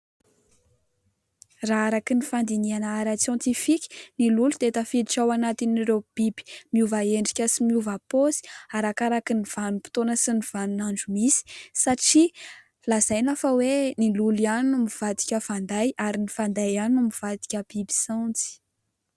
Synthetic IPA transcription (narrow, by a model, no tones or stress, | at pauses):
raaɾakinifand̪inianaaɾat͡sjɔ̃nt̪ifikʲi̥nilulud̪̥eet̪əfid̪iʈ͡ʂawanat̪iniɾeb̥ibi̥miuvaeɳɖ͡ʐikʲəsimiuvaposi̥aɾakaɾakiniv̥anupi̥t̪onəsiniv̥anunaɳd͡ʒumisi̥saʈ͡ʂi | laz̥ajnafəwenilulianumiv̥ad̪i̥kʲəv̥and̪ajʔaɾinifand̪ajanumiv̥ad̪i̥kʲəb̥ibi̥sant͡si̥